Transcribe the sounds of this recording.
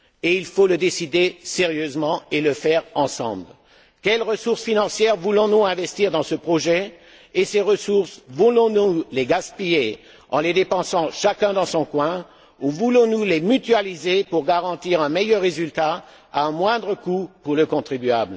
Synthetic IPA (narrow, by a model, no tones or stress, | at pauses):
eilfoləd̪esid̪eseʁjøzmɑ̃eləfɛʁɑ̃sɑ̰̃bl | kʲɛlʁəsuʁsfinɑ̃sjɛʁvulɔ̃nuɛ̃vɛst̪iʁd̪ɑ̃səpχɔʒɛ | eseʁəsuʁsvulɔ̃nuleɡaspije | ɑ̃led̪epɑ̃sɑ̃ʃakɛ̃d̪ɑ̃sɔ̃kwɛ̃ | uvulɔ̃nulemyt̪ɥalizepuʁɡaʁɑ̃t̪iʁɛ̃mɛjœʁːezylt̪a | aɛ̃mwɛ̃d̪ʁəkupuʁləkɔ̃t̪χibyabl